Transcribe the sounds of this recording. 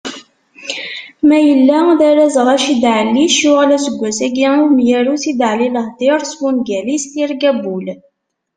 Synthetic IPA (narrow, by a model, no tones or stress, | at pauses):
mæjəlːæðæɾæzʁæʃid̪ʕəlːiʃjuʁælæsəɡʷːæsæɡiumjæɾusid̪ʕliləhd̪iɾˤsmunɡælist̪iɾɡæbul